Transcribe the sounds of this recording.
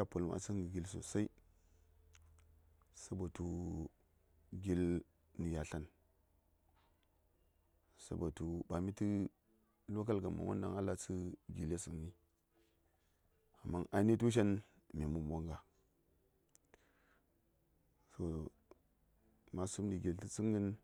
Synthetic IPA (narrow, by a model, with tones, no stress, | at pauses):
a˦po˨lmʔa̰˨sə˦ŋɡi˨ɡʲi˦lso̰˨sa˦i˦ | sa˦bo˨tu˦ | ɡi˦l | ni˨ja˨ɬa˦n | sa̰˦bo˨tu˨˦ba˨mi˦ti˦ | lo˦ka˦lɡa˨ma̰˨wa̰˦nda̰˦ŋa˦la˨t͡sɨ˦ɡi˨le˦su˨mni˦ | a˨mːa˦na˨˦ni˦tu˦ʃ̬a˦n | mi˨mu˨mo˦ŋɡa˨ | so˨ | ma˨su˦mni˨ɡi˨lti˦t͡si˦ŋɡə˦n